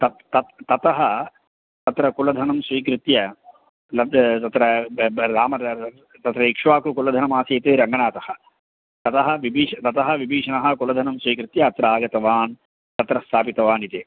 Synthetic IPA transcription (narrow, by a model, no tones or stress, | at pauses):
t̪ɐt̪ɐt̪t̪ɐt̪ɐɦɐ | t̪ɐt̪ɾɐkulɐd̪ʱɐnɐmsʋiːkɾɪt̪jɐ | lɐt̪ɐt̪ɾɐɾaːmɐ | t̪ɐt̪ɾɐikʂʋaːkukulɐd̪ʱɐnɐmaːsɐjt̪eːɾɐŋɡɐɳaːt̪ɐhɐ̆ | t̪ɐt̪ɐɦɐ̆ʋibiːʂɐt̪ɐt̪ɐɦɐ̆ʋibʱiːʂɐnɐɦɐ̆kulɐd̪ʱɐnɐmsʋiːkɾɪt̪jɐːt̪ɾɐaːɡɐt̪ɐʋaːn | t̪ɐt̪ɾɐst̪ʰaːpit̪ɐʋaːnit̪eː